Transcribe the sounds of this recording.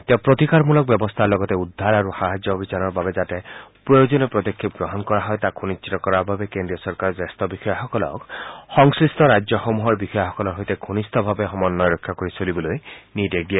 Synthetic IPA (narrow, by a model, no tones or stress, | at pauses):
t̪ẽpɹot̪ikaɹmulɔk̚bjɔbɔst̪ʰaɹlɔɡɔt̪eud̪ʱːaɾaɾuxaɦad͡ʒjɔobʱit͡ʃanɔɹbabed͡ʒatɛpɹɔjod͡ʒɔnepɾɔd̪ekʰːip̚ɡɹɔɦɔnkɔɹaɦɔjt̪aɡʰʱunisʰit̪ɔkɔɾabʱabekendɾijɔsɔɹkaɾɔzest̪ɔbixɔjɔxɔkɔlɔ̰kxɔŋsɹist̪ɔɾad͡ʒjɔxomuɦɔɹbixɔjɔxɔkɔlɔɾɦojteɡʰʱunist̪ɔbʱabexɔmɔnːɔjɾɔkʰːakoɹisolibɔlojnidek̚dia